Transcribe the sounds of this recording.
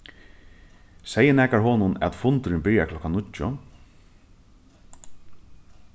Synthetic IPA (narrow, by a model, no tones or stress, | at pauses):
sɛjːənæːkaɹɦoːnʊnɛ̰t̪fʊnt̪ʏɾɪnbɪɾjakʰlɔkanʊʊ